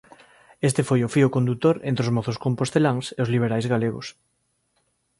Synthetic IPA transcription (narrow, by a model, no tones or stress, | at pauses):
est̪efojofiokond̪ut̪oɾḛ̃nt̪ɾeozmoθoskompost̪elaŋseozliβ̞eɾajzɣaleɣo̰s